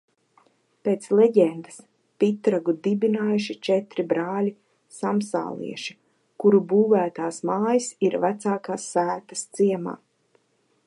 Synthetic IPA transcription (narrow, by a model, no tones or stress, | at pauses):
peːt̪slˠɛɟɛnd̪as | pit̪ɾaɡud̪ibinaːjuʃit͡ʃɛt̪ɾibɾaːlʲi | samsa̰ːlˠḭɛʃi̥ | kuɾubuːvæːt̪aːsmaːjisiɾvæt̪saːkaːsːæːt̪ḁst̪siɛma̰ː